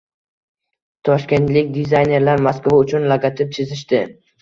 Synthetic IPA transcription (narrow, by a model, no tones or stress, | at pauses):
t̪ʰɒʃkʲe̞nt̪lɪkʲd̪izajne̞ɾlaɾmaskvaʊt͡ʃʰʊnlaɡat̪ʰɪp̚t͡ʃ̪ʰɪzɪʃt̪ɪ